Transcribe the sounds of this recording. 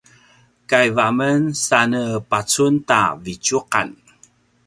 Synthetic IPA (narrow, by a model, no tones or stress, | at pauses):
kajvamənsanəpat͡sunta̰vit͡ʃuqa̰n